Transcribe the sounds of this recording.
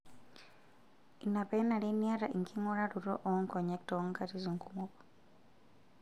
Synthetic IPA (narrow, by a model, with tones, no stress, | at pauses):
i˨na˨pɛ˦na˨li˦ni˦a˦ɾa̰˨ʔi˨ŋkʰi˦ŋɔ˦ɾa˦ɾu˨ɾɔ˦ʔɔ˦ŋkɔ˨ɲɛ˦k̚tɔŋkati˦zi˨ŋku˦mɔ˦pɔ̥